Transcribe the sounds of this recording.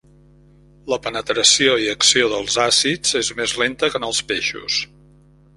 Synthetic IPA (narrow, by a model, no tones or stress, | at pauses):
ləpənət̪ɾəsioiəksioðəlˠzasid͡zezmezlent̪əkənəlˠspeʃṵs